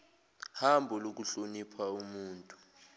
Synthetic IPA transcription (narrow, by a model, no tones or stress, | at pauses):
hambʱɔlok̬uɬonipʰaumuːntʼu̥